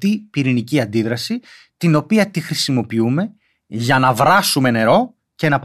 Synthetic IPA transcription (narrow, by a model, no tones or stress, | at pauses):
t̪ipiɾiniciɐnd̪iðɾɐsi | t̪ino̞piɐt̪ixɾisimo̞piume̞ | ʝɐnɐvɾɐsume̞ne̞ɾo̞ | ce̞nɐp